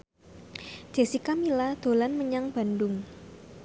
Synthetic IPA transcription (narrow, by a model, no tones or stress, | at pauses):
d͡ʒ̥e̤sikamilad̪̥o̤lanməɲaŋb̥a̤ndʊŋ